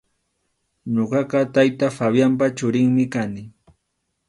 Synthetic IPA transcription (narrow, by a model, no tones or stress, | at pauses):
ɲoɢɑqɑt̪ajt̪afabjamp̬at͡ʃʊɾɪŋmɪkanɪ